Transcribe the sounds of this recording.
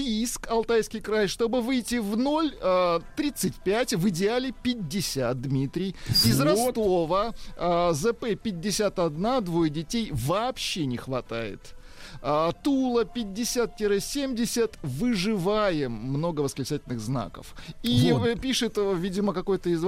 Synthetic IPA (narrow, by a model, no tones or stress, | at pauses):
iskɐlˠt̪ajskʲɪjkɾajʂt̪o̞bɨvɨjtʲɪvno̞lʲət̪ɾʲit̪sɨtʲpʲætʲvɨdʲɪalʲɪpʲɪdʲːɪsʲat̪̚d̪mʲit̪ɾʲɪjɪzrɐst̪ovə | zɛpɛpʲɪd̚ʲːɪsʲat̪ɐd̪nad̪vojdʲɪtʲejvɐːpɕːenʲɪxvɐt̪a̰jɪ̰t̪ | ət̪ulˠəpʲɪd̚ʲːɪsʲat̪̚tʲɪɾɨsʲemʲdʲɪsʲət̪vɨʐɨvajɪmːno̞ɡəvəsklʲɪt͡ʃætʲɪlʲnɨɣzna̰kə̰fipʲiʂɨt̪vʲidʲɪməkɐko̞jt̪əɪz